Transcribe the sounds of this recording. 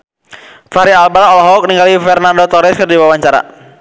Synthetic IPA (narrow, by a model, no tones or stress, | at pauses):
faɾialbaɾɔlɦɔk̚niŋɡalifɛrnandot̪ɔɾɛskɨrdiwawaɲt͡ʃaɾa̰